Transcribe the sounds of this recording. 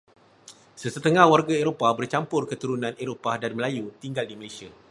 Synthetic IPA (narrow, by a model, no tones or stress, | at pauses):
səsət̪əŋãhwarɡaeɾopabərt͡ʃampʊrkət̪uɾunãneɾopadanməlajut̪iŋɡaldiməlesia